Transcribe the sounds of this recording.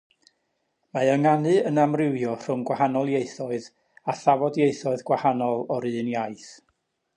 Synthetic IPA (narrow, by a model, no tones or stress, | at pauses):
maəŋanɨənamrɪwjɔr̥ʊmɡwahanɔlˠjeɨθɔɨð | aθavɔdjeɨθɔɨðɡwahanɔlˠɔɾɨːnjajθ